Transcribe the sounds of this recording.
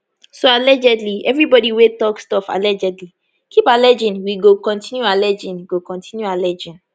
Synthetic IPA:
soalɛd͡ʒɛdliɛvɹibɔɾiwetɔkstɔfa̰lɛd͡ʒɛdli | kʰipalɛd͡ʒĩnwiɡokɔ̃ntĩnjualɛd͡ʒĩnɡokɔ̃ntʰĩnjualɛd͡ʒĩn

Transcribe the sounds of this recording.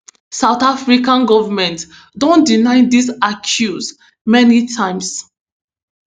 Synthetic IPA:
saʊtafɹikãnɡɔvəmɛ̃nt | dɔ̃ndinaɪdisakʰjus | mɛnitʰãɪ̃ms

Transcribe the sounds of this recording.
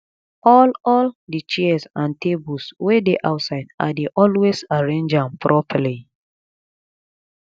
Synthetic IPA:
ɔlɔldət͡ʃɛsãntebulswedeʔaʊtsaɪda̰deʔɔlwesaɹẽnd͡ʒãmpʰɹʔɔpʰəli

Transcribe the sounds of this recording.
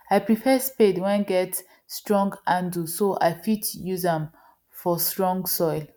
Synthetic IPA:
ajpɹifɛspedwɛ̃ɡɛt | stɹɔ̃ŋɡãndusoʔa̰jfitjuzɛ̃m | fɔstɹɔ̃ŋɡsɔɪl

